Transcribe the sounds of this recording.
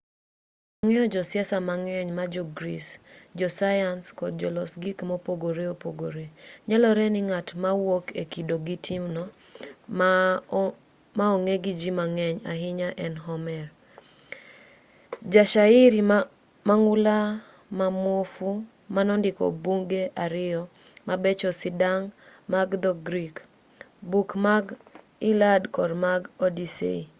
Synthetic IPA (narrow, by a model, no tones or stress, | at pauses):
aŋɛɔd͡ʒɔsjɛsamaŋɛɲmad͡ʒɔɡɾisd͡ʒɔsajanskɔd̚d͡ʒɔlɔsɡikmopoɡoɾeopoɡoɾeɲalɔɾɛnɪŋatmawokekidoɡitʰimnɔ | maoŋeɡid͡ʒimaŋɛɲaɦɪɲaʔɛnɦɔmɛr | d͡ʒaʃaiɾi | maŋʊla | mamwofu | manɔndɪkɔ̰buŋɡeʔaɾɪjɔ | mabet͡ʃɔsɪdaŋmaɡd̪ɔɡɾik | bukmaɡ | ɪladkɔdmaɡodisḛi